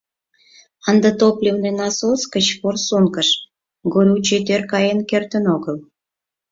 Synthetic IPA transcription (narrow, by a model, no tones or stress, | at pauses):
ɑnd̪ət̪oplʲewnenɑsoskət͡ɕporsunkəʃ | ɡoɾʲut͡ɕet̪ørkɑjenkert̪ə̆noɣəl